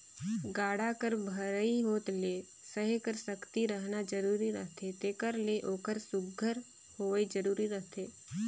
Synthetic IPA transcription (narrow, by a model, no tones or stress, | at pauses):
ɡaːɽakəɾbʱəɾəiɦoːt̪le | səɦikəɾsəkt̪iɾəɦnad͡ʒəɾuːɾiɾəɦt̪ʰet̪eːkəɾleʔoːkəɾsʊɡʱːəɾ | hoːed͡ʒəɾuːɾiɾəɦt̪ʰeː